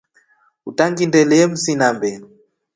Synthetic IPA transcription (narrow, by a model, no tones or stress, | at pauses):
utaŋɡindɛlɛm̩sinambɛnu